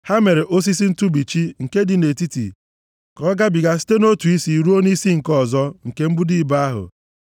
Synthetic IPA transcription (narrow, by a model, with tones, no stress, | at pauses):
ha˦me˨ɾe˨ʔo˦s̬i˦si˦n̩˦tu˦bi˨t͡ʃi˦ŋ̩˨ke˦dɪ˨ne˨ti˦tḭ˨ | kɔ˨˦ɡa˦bi˨ɡa˦si̥˦te˦no˦tu˨i˦si˨ɾu˦o˦ni˦si˦ŋ̩˨kɔ˦˨zɔ˦ŋ̩˨ke˦m̩˦bu˦di˦˨ba˦a˦ɦʊ̰˨